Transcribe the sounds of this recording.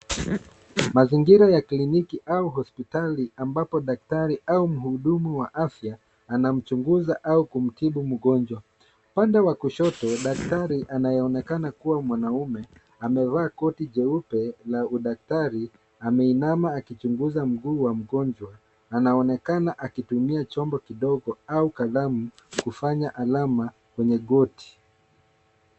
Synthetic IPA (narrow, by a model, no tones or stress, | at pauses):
maziŋɡiɾajaklinikiʔauɦɔspitaliambapɔɗak̚taɾiaum̩huɗumuwaʔafjaː | nam̩t͡ʃuŋɡuzaʔaukum̩tiɓum̩ɠɔnd͡ʒwa | pandɛwakuʃɔtɔɗak̚taɾiʔanajɛɔnɛkanakuwamwanaumɛ | amɛvaːkɔtiʄɛupɛlauɗak̚taɾi | amɛinamaːkit͡ʃuŋɡuzam̩ɡuːwam̩ɡɔnd͡ʒwaː | naɔnɛkanaʔakitumiat͡ʃɔmbɔkiɗɔɡɔaukaðamukufaɲaʔalama | kwɛɲɛɠɔti̥